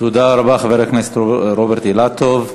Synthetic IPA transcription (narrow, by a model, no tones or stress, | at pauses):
t̪ud̪aɾabaχaveɾekmest̪ɾobeɾt̪ilat̪ov